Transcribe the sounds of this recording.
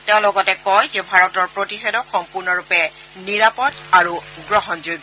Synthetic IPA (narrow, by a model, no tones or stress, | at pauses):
tẽʊ̃lɔɡɔtɛkɔjzɛbʱaɹɔtɔɹpɹotixedɔxɔmpuɹnɔɹupɛ | niɹapɔtaɹuɡɹɔɦɔnzojb